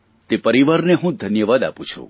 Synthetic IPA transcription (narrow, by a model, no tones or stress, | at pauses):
t̪epəɾiʋaɾneɦũd̪ʱənjəʋad̪a̰pũt͡ʃʰṵ̃